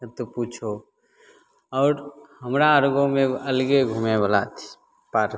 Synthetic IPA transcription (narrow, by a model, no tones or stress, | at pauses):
t̪opuːt͡ʃʰo | ɔːɾhəmɾaəɾɡõmẽəlɡeɡʱumebəlat̪ʰi̥ | paːɾ